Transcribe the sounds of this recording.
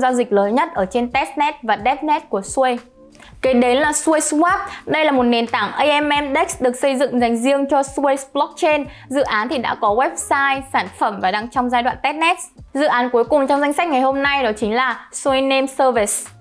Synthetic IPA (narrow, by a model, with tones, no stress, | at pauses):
zaː˧zï˨˩k̟̚ləː˨˦nɲə˦˥t̚ʔəː˧˩t͡ɕe˧nt̪ɛ˦˥t̚nɛ˦˥t̚vaː˨˩ɗɛ˦˥t̚nɛ˦˥t̚ku˧˩əswə˧j | ke˨˦ɗe˨˦nlaː˨˩swə˧jswaː˦˥p̚ɗə˧jlaː˨˩mo˨˩t̚ne˨˩nt̪aː˧˩ŋʔə˧jʔɛ˧mʔɛ˧mɗɛ˦˥k̚sɗɨ˨˩ək̚sə˧jzɨ̰˧˨ŋza˨˩jŋ̟zi˧əŋt͡ɕɔ˧su˧ə˧jsɓlɔ˦˥k̚t͡ɕe˧n | zɨ̰˧˨ʔaː˨˦nt̪ʰi˨˩ɗa̰ː˧˥kɔ˨˦ɣwɛ˦˥p̚saː˧jsaː˧˩nfə˧˩mvaː˨˩ɗa˧ŋt͡ɕɔ˧wŋ͡mzaː˧jɗwa̰ː˧˨nt̪ɛ˦˥t̚nɛ˦˥t̚zɨ̰˧˨ʔaː˨˦nku˨˦jkʊ˨˩ŋ͡mt͡ɕɔ˧wŋ͡mza˧ŋ̟sa˦˥k̟̚ŋa˨˩jɦo˧mna˧jɗɔ˨˦t͡ɕï˨˦ŋ̟laː˨˩swə˧jne˧msəː˧vi˨˩s